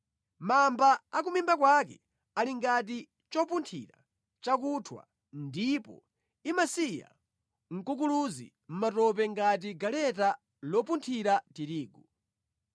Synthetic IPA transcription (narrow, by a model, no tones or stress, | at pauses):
mambaːk̬umimbakwakɛ̰ | aliŋɡat̬i | t͡ʃɔpuntʰḭɾa̰ | t͡ʃak̬utʰwa̰ | ndipɔ̰ | imasija̰ | ŋ̩kuk̬uluzḭ | m̩matɔp̬ɛŋɡat̬iɡalɛta | lɔpuntʰiɾatiɾiːɡu